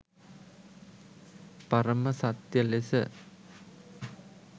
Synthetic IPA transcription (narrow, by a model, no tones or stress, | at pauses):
pɐɾɐmɐsɐt̪jɐlesɐ̰